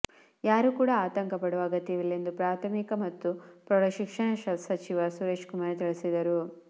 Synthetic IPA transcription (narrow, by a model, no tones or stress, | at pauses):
jaːɾukuːɽaaːt̪ɐŋkɐpɐɽuʋɐɡɐt̪ːiʋilːe̞nd̪upɾaːt̪ʰɐmikɐmɐt̪ːupɾɐɾɐʃikʂɐɳɐʃɐsɐt͡ʃiʋɐsuɾeːʃkumaːɾt̪iɭisid̪ɐɾu